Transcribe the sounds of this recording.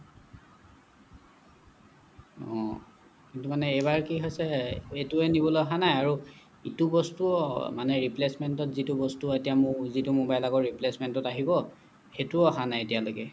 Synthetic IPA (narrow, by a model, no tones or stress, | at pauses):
ɔ̰̃ | kintumanɛebaɹkiɦojsɛetuɛnibɔloɦanajaɹu | itubɔstuɔmanɛɹiplesmɛntɔtzitubɔstuɔetijamʊzitumʊbajlaɡɔɹiplesmɛntɔtaɦibɔ | xetuɔɦanajetijalojkɛ